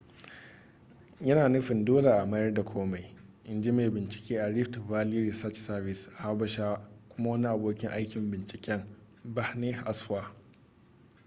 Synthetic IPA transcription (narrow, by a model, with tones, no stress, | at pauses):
jɐ˦naː˨nʊ˦ɸɪ˨ndoː˦la˨ʔa˨mɐ˦jɐ˦rda˨kʷʰoː˦ma˨jʔɪ˨nd͡ʒi˦ma˨bɪ˨nt͡ʃɪ̥˨kʲeː˦ʔa˨ɽɪ˦ɸtvaː˦liː˦ɾi˨sɐ˦t͡ʃsɐ˦bɪ˨sa˦bɐ˦ʃaː˦kʷʊ˦ma˦wɐ˦ni˦ʔa˨boː˦kʲɪ˦ŋʔa˦jkʲɪ˨mbɪ˨nt͡ʃɪ̥˨kʲɛ˦ŋ | ba˦hne˦ʔa˦saː˦˨